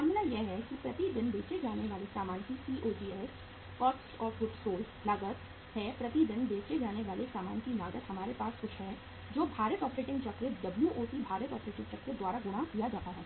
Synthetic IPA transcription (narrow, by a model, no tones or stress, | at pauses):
maːɾmɪlajeɦɛkipɾɐt̪id̪ɪnbeːt͡ʃed͡ʒaːneʋaːlesaːmaːnkisiːʔoːʈiːɛːs | kɔːksʈɔːɾfʊɖsoːlslɐɡət̪ | hɛpɾɐt̪id̪ɪnbeːt͡ʃed͡ʒaːneʋaːlesaːmaːnkinaːɡət̪hɐmaːɾepaːsxʊʃʰɦɛ | d͡ʒoːbʱaːɾət̪ɔːpɾeːʈɪ̃ŋɡt͡ʃɐkɾət̪d̪ɐbljuʔoːsibʱaːɾət̪ɔːpɾeːʈɪ̃ŋɡt͡ʃɐkɾət̪d̪waːɾaɡʊɽ̃akijad͡ʒaːt̪aɦɛː